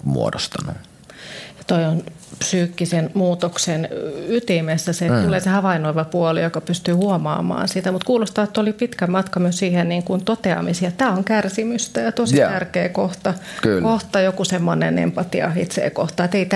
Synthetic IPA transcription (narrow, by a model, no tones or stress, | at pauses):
mṵo̰dost̪ɑnu | jɑt̪oion | psyːkːisenmuːt̪oksenyt̪imesːæset̪uleːsehɑʋɑinoiʋɑpuolijokɑpyst̪yːhuomɑ̰ːmɑ̰ːnsit̪æmut̪kuːlost̪ɑːet̪ːolipit̪kæmɑt̪kɑmyøssiːhenniːŋkunt̪ot̪eɑ̰misiɑt̪t̪æːoŋkærsimyst̪æjɑt̪ositærkeːkoht̪ɑkykoht̪ɑjokusemːonḛnḛmpɑt̪iɑ̰ḭt̪sḛːko̰ht̪ɑet̪eit̪